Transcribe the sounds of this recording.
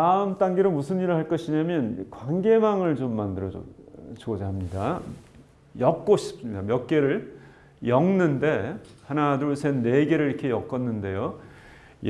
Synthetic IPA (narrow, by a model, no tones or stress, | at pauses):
taɯmt͈aŋɡiɾomusʰɯniɾɯɭhaɭk͈ʌɕʰiɲamjʌnkwaŋɡe̞maŋɯɭt͡ɕomːandɯɾʌ̰t͡ɕuʌd͡ʑaɦamɲida | jʌk̚k͈oɕʰi̥p̚s͈ɯmɲidamjʌk̚k͈e̞ɾɯɭ | jʌŋnɯnde̞hanaduɭsʰenːe̞ɡe̞ɾɯɭiɾkʰe̞jʌk͈ʌnːɯnde̞jo | j